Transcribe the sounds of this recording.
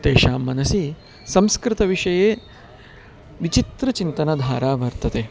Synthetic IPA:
t̪eːʃaːmːɐnɐsiː | sɐ̃mskɾɪt̪ɐʋiʂɐjeː | ʋit͡ʃit̪ɾɐt͡ʃint̪ɐnad̪ʱaːɾaːʋɐɾt̪ɐt̪eː

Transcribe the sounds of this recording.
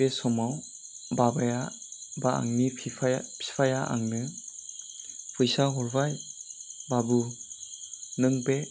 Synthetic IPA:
esɔmaw | babaja | baa̰ŋnipʰjpʰi̥pʰajaʔa̰ŋnɯ | pʰɯjsaɦɔɾbaj | babu | nɯŋbe

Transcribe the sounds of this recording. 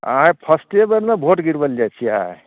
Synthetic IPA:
ã̰ẽpʰəsʈebəɾnabʱoʈɡiɾbəld͡ʒat͡ʃʰia̰

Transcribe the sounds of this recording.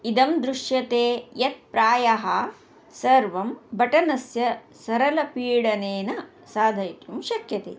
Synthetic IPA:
id̪ɐmd̪ɾuʂjɐt̪eːjɐt̪̚pɾaːjɐɦɐ | sɐɾʋɐmbɐʈɐnɐsjɐ | sɐɾɐlɐpiːɽɐneːnɐ | saːd̪ʱɐjt̪jumʃɐkjɐt̪ḛː

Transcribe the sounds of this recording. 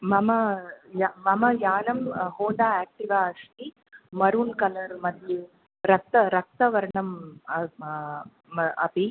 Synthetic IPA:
mɐmɐjamɐmɐjaːnɐmhoːnd̪aːeːk̚ʈiʋaːɐʂʈi | mɐɾuːnkɐlɐɾmɐd̪ʱji | ɾɐk̚t̪ɐɾɐk̚t̪ɐʋɐɾɐɳɐm | ɐ̰pi

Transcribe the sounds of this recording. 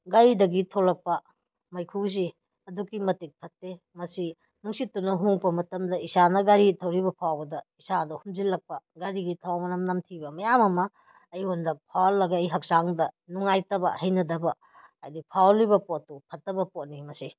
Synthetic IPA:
ɡaɾidɐɡitʰolɐk̚pɐ | mɐjkʰuz̬i | ɐdukimɐtik̚pʰɐtːe | mɐsi | nuŋsitːunɐɦuŋpɐmɐtɐmdɐisanɐɡaɾitʰɐwɾibɐpʰawbɐdɐisadɐhumzilːɐk̚pɐɡaɾiɡitʰawmɐnɐmnɐmtʰibɐmɐjamɐmɐː | jhondɐk̚pʰawlːɐɡɐːjɦɐk̚saŋdɐnuŋajtɐbɐ̰hɐjnɐdɐbɐ | a̰jdipʰawlibɐpotːupʰɐtːɐbɐpot̚nimɐsi

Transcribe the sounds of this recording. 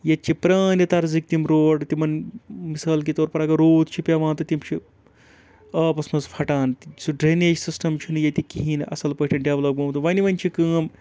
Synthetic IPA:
jɐt̪̚t͡ʃʰːipɾaːnjɐt̪ɐɾzik̚t̪imɾoːɖt̪imɐnmisaːlkit̪oːɾpɐɾɐɡɐɾoːt̪̚ʰt͡ʃʰipʲjaʋãːnt̪ɐt̪imt͡ʃʰi | ɐːpɐsmɐzfʰɐʈaːnt̪isuɖɾeːneːd͡ʒsisʈɐmt͡ʃʰunɨjɐt̪ikiɦiːnʔɐ̰sɐlpɐɦʈʲʰɐnɖɐʋlɐp̚ɡoːmt̪uʋɐniʋɐnʲt͡ʃʰikəːm

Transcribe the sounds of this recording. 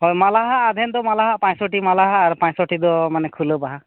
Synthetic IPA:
ɦojmalaɦaʔad̪ʱɛnd̪ɔmalaɦaʔpãɲsɔʈimalaɦaːɾpãɲsɔʈid̪ɔmanɛkʰulɔbaɦa

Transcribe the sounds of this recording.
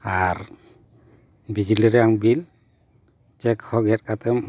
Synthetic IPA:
aɾ | bid͡ʒiliɾɛaŋbil | t͡ʃɛkhɔɡɛt̚kat̪ɛm

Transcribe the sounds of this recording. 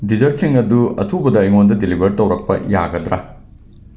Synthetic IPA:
dizɐɾtsiŋɐduɐ̰t̪ʰubɐdɐiŋondɐdilibʱɐɾtɐwɾɐk̚pɐ̰jaːɡɐd̪ɾɐ

